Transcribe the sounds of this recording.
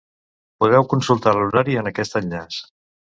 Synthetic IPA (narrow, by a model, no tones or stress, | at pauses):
puðɛwkunsulˠt̪aluɾaɾiənəkɛst̪əʎʎas